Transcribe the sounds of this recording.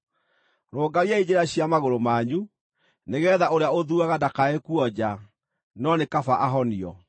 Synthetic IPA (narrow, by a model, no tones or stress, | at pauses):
ɾoːɡaɾiaid͡ʑeɾaɕjamaɣoɾomaɲu | neɣɛːðaʔoɾeaoðuaɣadakaekuɔd͡ʑa | nɔnekafaʔaɦɔniɔ